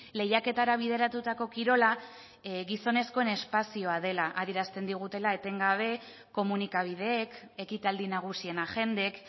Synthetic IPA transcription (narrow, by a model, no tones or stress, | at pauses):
le̞jake̞t̪aɾaβ̞ið̞e̞ɾat̪ut̪ako̞kiɾo̞la | ɣiso̞ne̞sko̞ene̞spasio̞að̞e̞laʔaðiɾast̪e̞nd̪iɣut̪e̞lae̞t̪e̞ŋɡaβ̞e̞ | ko̞munikaβ̞ið̞e̞ːke̞kit̪ald̪inaɣ̞usie̞naʝe̞nd̪e̞k